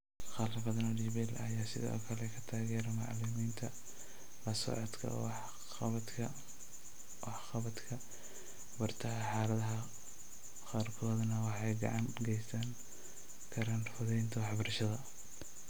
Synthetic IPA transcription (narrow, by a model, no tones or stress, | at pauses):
χɑlɐfɐðɐnɐɖɪβɛlɐjaːsɪ̰ðɔ̰ːkʰɐlɛkʰɐ̥t̪ʰaːɣɛːɾɐmɑʕlɪmiːnt̪ʰɐ | lɐsɔ̰ʕɔd̪kʰɐ̰w | ɐd̪kʰɐ | wɑħxɑβɐd̪kʰɐ | bɐrt̪ʰɐɦɐħɑːlɐðɐɦɐ | qaːrkʰɔːðɐnɐwɑħɑjɡɑ̰ʕɑnɡɛjsɐŋ | kʰɐɾaːnfʊðɛjnt̪ʰɐwɑħbɐrʃɐðɐ